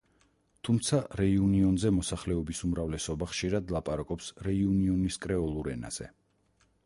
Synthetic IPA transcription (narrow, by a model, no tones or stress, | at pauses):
t̪ʰumt̪sʰaɾɛiuniɔnzɛmɔsaχlɛɔbisumɾavlɛsɔbaχʃiɾad̪lˠapʼaɾakʼɔpsɾɛiuniɔniskʼɾɛɔlˠuɾɛna̰z̥ɛ̰